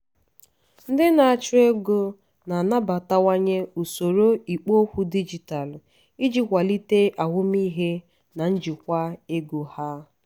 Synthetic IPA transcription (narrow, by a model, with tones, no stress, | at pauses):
n̩˦dɪ˦na˨a˨t͡ʃʊ˦e˦ɡo˦ | na˨na˦ba˨ta˦wa˦ɲe˦u˨so˨ɾo˦i˨k͡po˦kʷu˦di˦d͡ʒi˨ta˨l | i˦d͡ʒi˦kʷa˨li˦te˦ʔa˨ɦʊ˦m˦i˦ɦe˦ | na˨n̩˦d͡ʒi˨kʷa˦e˦ɡo˨ha˦